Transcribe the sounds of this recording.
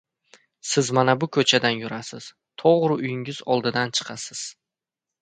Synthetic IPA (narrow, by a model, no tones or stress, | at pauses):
sɪzmanabʊkʰɵt͡ʃʰad̪anjʊɾasɪz̥ | t̪ʰɒʁɾɪʊjɪŋɪzɒlˠd̪ɪd̪ant͡ʃʰɨ̥qʰɑsɪz̥